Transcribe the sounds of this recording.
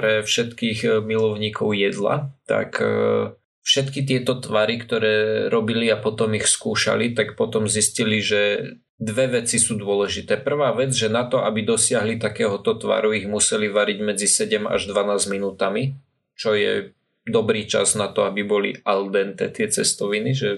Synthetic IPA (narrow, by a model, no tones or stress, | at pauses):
pɾɛfʃɛt̪kiːɣmilɔʊɲiːkɔʊjɛd̪la̰t̪a̰k | fʃɛt̪kit̪̬ɪɛt̪ɔt̪ʋaɾikt̪ɔɾɛːɾɔbiliapɔt̪ɔmixskuːʃa̰lit̪akpɔt̪ɔmzisciliʒɛ | d̪ʋɛʋɛt͡sisuːd̪ʊɔlɛʒit̪ɛːpr̩ʋaːʋɛd͡zʒɛnat̪ɔʔabid̪ɔsɪaɦlit̪akɛːɦɔt̪ɔt̪ʋa̰ɾuiɣmusɛliʋaɾiɟmɛd͡zisɛɟɛma̰ʒd̪ʋanaːzminuːt̪ami | t͡ʃɔjɛ̰ | d̪ɔbɾiːt͡ʃa̰znat̪ɔabibɔlḭʔald̪ɛnt̪ɛ̰ːt̪ɪɛt͡sɛst̪ɔʋiniʒɛ